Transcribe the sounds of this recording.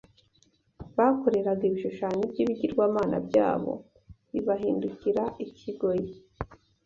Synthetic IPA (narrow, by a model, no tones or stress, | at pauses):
βako̞ɾe̞ɾaɡaiβiʃuʃaːɲibɟiːβiɟiɾɡwaːmaːna̰bɟa̰ːβo̞̰ | βiβaɦiːnduciɾaicʰiɡo̞je